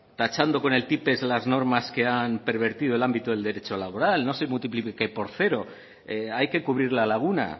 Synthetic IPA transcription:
t̪at͡ʃand̪o̞ko̞ne̞lt̪ipe̞zlazno̞ɾmaske̞ampe̞ɾβ̞e̞ɾt̪iðoelambit̪oðed̪e̞ɾe̞t͡ʃo̞laβoɾalnosemult̪iplipekepo̞ɾθe̞ɾo̞ | eajke̞kuβɾiɾlalaɣ̞una̰

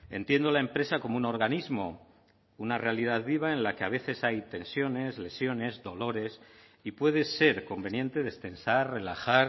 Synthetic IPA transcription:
e̞̰nt̪je̞nd̪o̞lae̞mpɾe̞sako̞mouno̞ɾɣanizmo̞ | unare̞aliðaðβiβ̞aẽ̞nlakeaβ̞e̞θe̞sajt̪e̞nsjo̞ne̞zle̞sjo̞ne̞zðo̞lo̞ɾe̞s | ipwe̞ð̞e̞se̞ɾko̞mbe̞nje̞nt̪e̞ðe̞st̪e̞nsarre̞laxaɾ

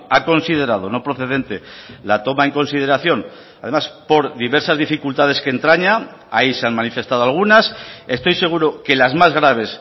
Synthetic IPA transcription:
ako̞nsiðe̞ɾað̞o̞no̞pɾo̞θe̞ðe̞nt̪e̞lat̪o̞mae̞ŋko̞nsið̞e̞ɾaθjo̞n | aðe̞maspo̞ɾðiβe̞ɾsazðifikult̪að̞e̞skent̪ɾaɲa | aise̞anmanife̞st̪aðoalɣ̞unase̞st̪o̞jse̞ɣ̞uɾoke̞lazmazɣ̞ɾaβ̞e̞s

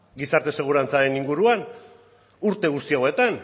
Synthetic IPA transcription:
ɡisaɾt̪e̞se̞ɣ̞uɾant͡saɾe̞niŋɡuɾuan | uɾt̪e̞ɣust̪iawe̞t̪an

